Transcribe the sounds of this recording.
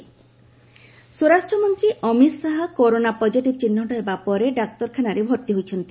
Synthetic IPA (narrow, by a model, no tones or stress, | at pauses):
soɾasʈɾɔmɔnt̪ɾiʔɔmit̪saɦɔkoɾonapɔd͡ʒiʈibt͡ʃinːɔʈɔɦebapɔɾeɖak̚t̪ɔɾkʰanaɾebʱɔɾt̪iɦojt͡ʃʰɔnt̪i